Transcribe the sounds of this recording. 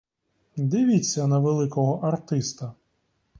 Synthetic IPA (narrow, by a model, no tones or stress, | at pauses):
d̪ɪʋʲit͡sʲːɐnɐʋelˠɪkɔɦɔʔɐrt̪ɪst̪ɐ